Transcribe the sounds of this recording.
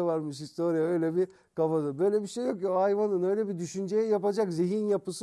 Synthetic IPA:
avaɾmɯʃhist̪oɾijaø̞jlʲɛbi | kafad̪ɯbø̞jlʲɛbiʃejːo̞kjoajvanɯnø̞jlʲɛbid̪yʃynd͡ʒejɛjapad͡ʒakzeɦinjapɯsɯ

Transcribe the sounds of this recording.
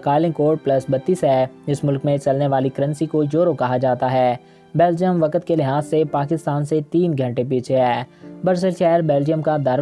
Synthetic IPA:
kaːlɪ̃ŋkoːʈ̚plɐsbɐt̪ːiːsɦɛːd͡ʒɪsmʊlkmẽt͡ʃɐlneʋaːlikɐɾə̃nsikod͡ʒoːɾokɐɦad͡ʒaːt̪aɦɛː | bɛːld͡ʒijəmʋɐkət̪kelɪɦaːzsepaːkɪst̪aːnset̪iːnɡʱɐ̃ɳʈep̬iːt͡ʃʰeɦɛːbɐɾsəlʃɛːɾbɛːld͡ʒijəmkad̪ɐɾ

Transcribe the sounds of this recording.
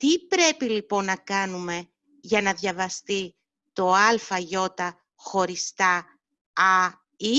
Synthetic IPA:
t̪ipɾe̞pilipo̞nːɐkɐnume̞ | ʝɐnɐðʝɐvɐst̪i | t̪o̞ɐlfɐʝo̞t̪ɐ | xo̞ɾist̪ɐ | ɐ | i

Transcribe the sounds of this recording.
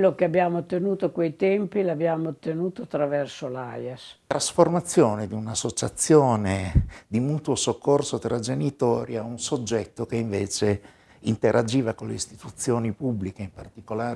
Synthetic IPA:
lːokeabjaːmoot̪ːenuːt̪okwejt̪ɛmpilabjaːmot̪ːenuːt̪oat̪ːɾavɛrsolajast̪ɾasformat̪sːjoːned̪iunasːot͡ʃat̪sːjoːned̪imuːt̪wosokʰːorsot̪ɾad͡ʒenit̪ɔːɾjaunsod͡ʒːɛt̪ːokeiɱveːt͡ʃe | int̪eɾʔad͡ʒiːvakoleist̪it̪ut̪sːjoːnipubːlikeimpart̪ikolaːɾ

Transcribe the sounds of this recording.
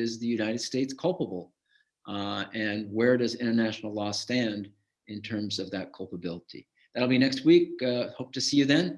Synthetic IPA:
ɪzðɨjʉnaɪɾɨd̥steɪtskʰʌlˠpəbl̩ˠ | ɨ̃nwə˞ɾʌzɪ̃ɾ̃ə˞næʃn̩l̩ˠlɔstæ̃nd | ɨ̃ntʰɜ̃˞mzʌvðɨt̚kʰʌlˠpəbɪlˠəɾḭ | ðæɾl̩ˠbinɛkst̚wik̚hoʊp̚tʰɨsijɨðɨ̃n

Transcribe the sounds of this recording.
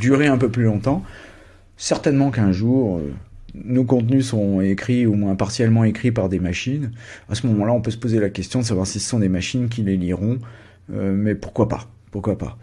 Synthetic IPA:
d̪yʁeɛ̃pøplylɔ̃t̪ɑ̃ | sɛʁt̪ɛnmɑ̃kɛ̃ʒuʁø̰nokɔ̃t̪nysəʁɔ̃ekχiumwɛ̃paʁsjɛlmɑ̃ekχitpaʁd̪emaʃinasəmɔmɑ̃laɔ̃pøsə̥pozelakʲɛst̪jɔ̃d̪əs̬avwaʁsisə̥sɔ̃d̪emaʃink̬ʲileliʁɔ̃ | ømɛpuʁkwapa̰ | puʁkwapa̰

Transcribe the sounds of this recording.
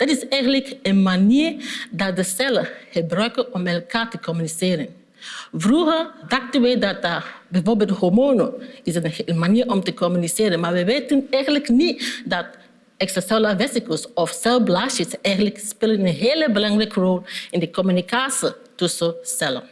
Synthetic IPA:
d̥ɑtɪsɛjɣəntləkənmaniːɹdɑt̚dəsɛləχəbrœɥkənɔmɛlˠkaːɹtəkɔmyniseːɾən | vruɣəɹdɑxtənʋɛdɑtəbɛvoːɹbeːlˠthɔɹmoːnoɪsənmaniːɾɔmtəkɔmyniseːɾənmaːɹʋɛʋeːtənɛjxənləknidɑt | ɛksɛsaləvɛsikəlsɔfsɛlblaːʃəsɛjɣənləkspeːlənənɦeːləbəlɑŋrɛkərɔlˠɪndəkɔmynikaːsitɵsəsɛlə̰

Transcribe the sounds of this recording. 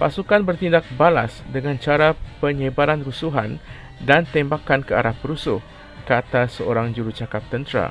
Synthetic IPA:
pasukanbərt̪indak̚bala̰sdəŋant͡ʃaɾapəɲəbaɾanrusuɦan | dant̪ɛmbakankəa̰ɾahpəɾusʊh | kat̪asəoɾaŋd͡ʒuɾut͡ʃakap̚t̪ənt̪ɾa̰

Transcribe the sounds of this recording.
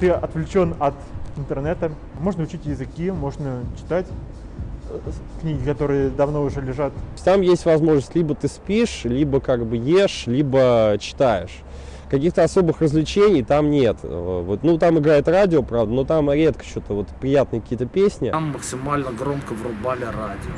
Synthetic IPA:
t̪ɨɐt̪vlʲɪt͡ɕo̞nɐt̪ɪnt̪ɨrnɛt̪ə | mo̞ʐnəʊt͡ɕitʲjɪzɨkʲimo̞ʐnət͡ɕɪ̥t̪atʲ | knʲiɡʲɪkɐt̪o̞ɾɨjəd̪ɐvno̞ʊʐɛlʲɪʐat̪t̪amjesʲtʲvɐzmo̞ʐnəsʲtʲlʲibət̪ɨspʲiʂlʲibəkaɡbɨjeʂlʲibət͡ɕɪ̥t̪ajɪʂ | kɐkʲixt̪əɐso̞bɨxrəzlʲɪt͡ɕenʲɪjt̪amnʲet̪vot̪nut̪amɨɡɾajɪt̪radʲɪopɾavd̪əno̞t̪amɾʲe̞t̪̚kə̥t͡ɕot̪əvo̞t̪pɾʲɪjat̪nɨəkɐkʲijət̪əpʲesʲnʲɪmːəksʲɪmalʲnəɡɾo̞mkəvrʊbalʲɪradʲɪo

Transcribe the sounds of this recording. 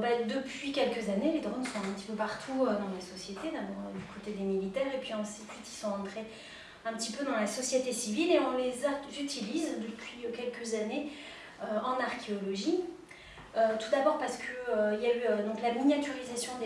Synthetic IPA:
bɛd̪əpɥikʲɛlkəzaneled̪ʁɔnsɔ̃t̪ɛ̃pət̪i̥pøpaʁt̪ʰuød̪ɑ̃lasɔsjet̪ed̪ɛ̃d̪̃d̪ykʰot̪ed̪emilit̪ɛːʁepɥiɑ̃sit̪it̪isɔ̃ɑ̃t̪χe | ɛ̃pət̪ipød̪ɑ̃lasɔsjet̪esivileɔ̃lezazyt̪ʰilizd̪əpɥiøkʲɛlkəzane | øɑ̃naʁkʲʰeɔlɔʒi | øt̪ud̪abɔʁpaʁsə̥kʰəøiljayød̪ɔ̃klamiɲjat̪yʁizasjɔ̃d̪

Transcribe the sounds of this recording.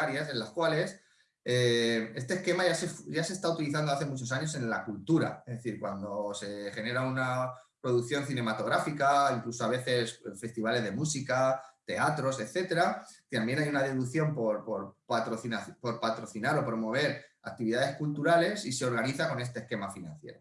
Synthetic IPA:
aɾjase̞nlaskwale̞s | ee̞st̪eske̞maʝasefʝase̞st̪aut̪iliθand̪o̞aθe̞mut͡ʃo̞s̬aɲo̞sẽ̞nlakult̪uɾa̰ezðe̞θiɾkwand̪o̞se̞χe̞ne̞ɾauna | pɾo̞ð̞ukθjo̞nθine̞mat̪o̞ɣɾafikaiŋkluso̞aβ̞e̞θe̞sfe̞st̪iβ̞ale̞zðe̞musikat̪e̞at̪ɾo̞se̞θe̞t̪e̞ɾat̪ambje̞najunaðe̞ðukθjo̞mpo̞ɾpoɾpat̪ɾoθinaθpo̞ɾpat̪ɾo̞θinaɾo̞pɾo̞mo̞β̞e̞ɾak̚t̪iβiðaðe̞skult̪uɾale̞sise̞o̞ɾɣ̞aniθako̞ne̞st̪eske̞mafinã̰n̟θjeɾo

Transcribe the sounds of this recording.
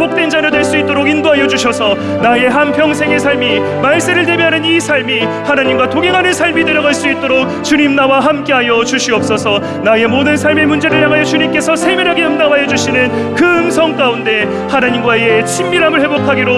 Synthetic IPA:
bok̚t͈wend͡ʑanʌdwe̞ɭs͈uit͈̚oɾoɡindoɦajʌd͡ʑuɕʰʌsʰʌ | nae̞ɦanpjʌŋs̬ʰe̞ŋe̞sʰaɭmi | maɭs͈eɾɯɭte̞biɦanɯnisʰaɭmi | hanaɲimɡwatoɡeŋɦanɯnsʰaɭmidwe̞ɾjʌɡaɭs͈uit̚t͈oɾok̚t͡ɕuɲimnawaɦamk͈e̞ɦajʌt͡ɕuɕʰiʌp̚s͈ʌsʰʌ | nae̞modɯnsʰaɭme̞mund͡ʑe̞ɾɯɭjaŋɦajʌt͡ɕuɲimk͈e̞sʰʌsʰe̞mjʌɾɦaɡe̞ɯmdamɦajʌd͡ʑuɕʰinɯn | kɯŋsʰʌŋk͈aunde̞ | hanaɲimɡwaeet͡ɕʰimːiɾɦamɯɭhe̞bokʰaɡiɾo

